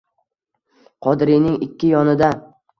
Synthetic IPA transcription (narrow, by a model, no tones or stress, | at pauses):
qʰɒd̪ɾɪjnɪŋɪkʲʰːɪjɒnɪd̪a